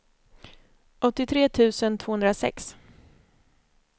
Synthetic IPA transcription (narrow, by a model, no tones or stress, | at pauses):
ʔɔt̪ːɪt̪ʰɾeːt̪ʰʉ̟ːsənt̪ʰv̥oːhɵnd̪ɾasɛ̰ks